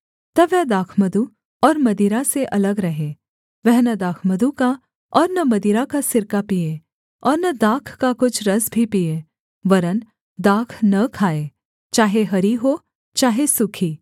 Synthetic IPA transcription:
t̪ɐʋɛɦd̪aːkʰmɐd̪u | ɔːɾmɐd̪iːɾaseʔɐləɡɾɐɦẽː | ʋɛɦnɐd̪aːkʰməd̪uka | ɔːɾnɐmɐd̪iːɾakasɪɾkapieː | ɔːɾnɐd̪aːkʰkakʊt͡ʃʰɾɐsbʱipie | ʋɐɾən | d̪aːkʰnɐkʰaːeː | t͡ʃaːɦeɦɐɾiɦo | t͡ʃaːɦesʊkʰiː

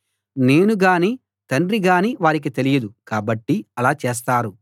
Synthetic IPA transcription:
ne̞ːnuɡaːniː | t̪ɐɳɾiɡaːniːʋaːɾik̬it̪e̞lijɐd̪ukaːbɐʈːiɐlaːt͡ʃeːs̬t̪aːɾu

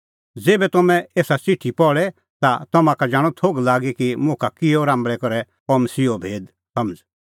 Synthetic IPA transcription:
d͡zeːbɛt̪ɔmɛ̃eːsat͡siʈʰipɔɭɛ | t̪at̪ɐmãkad͡ʒaːɽ̃ɔt̪ʰoːɡlaːɡekimʊ̃kʰakɪɔɾãːmbɭɛkɔɾɛ | ɔməsiːobʱeːd̪ | sɐməd͡z

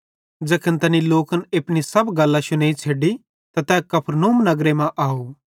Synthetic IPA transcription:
d͡ʒɐːkʰənt̪ɐniloːkənepɽ̃isɐbɡɐlːaʃʊneːit͡ʃʰeːɖi | t̪at̪ɛ̃ːkɐpʰɾnoːmnɐɡɾemɛ̃ʔaːoː

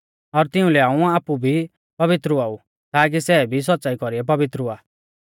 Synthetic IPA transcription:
ɔɾt̪ɪũlɛaːũaːpubʱi | pɐβɪt̪ɾuaːu | t̪aːk̬isɛːbʱis̬ɔt̪ːsaːikɔɾiɛpɐbɪt̪ɾuaː

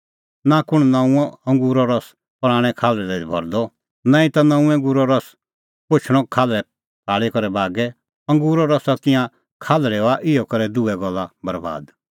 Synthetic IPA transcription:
nakʊɽ̃nãũɔ̃ɐ̃ŋɡuːɾɔɾɔs | pɾ̃aːɽ̃ɛkʰaːlɾɛlɛd̪ibʱɔ̰ɾd̪ɔ | nãːĩt̪anɐ̃ũɛ̃ŋɡuːɾɔɾɔs | pʊt͡ʃʰɽ̃ɔ̃kʰaːlɾɛ | pʰaːɭikɔɾɛbaːɡɛ | ɐ̃ŋɡuːɾɔɾɔsat̪ɪjã | kʰaːlɾɛɔaʔɪjɔkɐɾɛd̪ʊɛɡɔlːabɐɾba̰ːd̪

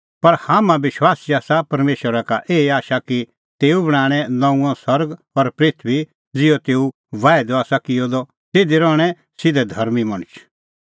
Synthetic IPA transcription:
pɐɾhaːmãʋɪʃwaːsiaːsapɐɾmeːʃwəɾakaʔeːaːʃaki | t̪eːubɐɽ̃ãːɽ̃ɛ̃nɐ̃ũãsɐɾɡ | ɔɾpɾɪt̪ʰʋi | d͡zɪjɔt̪eːu | ʋaːɪd̪ɔaːsakɪjɔd̪ɔ | t̪eːd̪eɾɔːɽ̃ɛ | sɪd̪ɛd̪ʱɐɾmimɐɽ̃ʊt͡ʃʰ

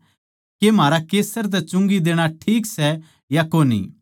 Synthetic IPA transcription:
kem̤aːɾakeːsəɾt̪̬ɛt͡ʃʊ̃ŋɡid̪eːɽ̃aʈʰiːksɛ | jakoːnḭ

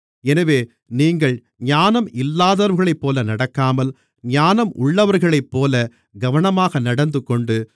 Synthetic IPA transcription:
ɛnɐʋeː | niːŋɡɐɭ | ɲaːnɐmɪlːaːðɐɾʋɯɣɐɭɐɪpːoːlɐnɐɽɐkːaːmɐl | ɲaːnɐmʔʊɭːɐʋɐɾɣɐɭɐɪpːoːlɐ | ɡɐʋɐɳɐmaːɣɐnɐɽɐnd̪ɯkːɔɳɖɯ

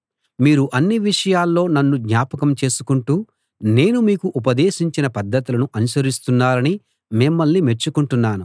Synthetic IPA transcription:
miːɾuʔɐnːiʋiʂɐjaːlːo̞ːnɐnːuɡɲaːpɐkɐmt͡ʃe̞ːsu̥kuɳʈuː | ne̞ːnumiːkuʔup̬ɐd̪eːʃiɲt͡ʃinɐpɐd̪ʱːɐt̪ilɐnuʔɐnuʃɐɾist̪unːaːɾɐni | mimːɐlːime̞t͡ʃːukuɳʈunːaːnu

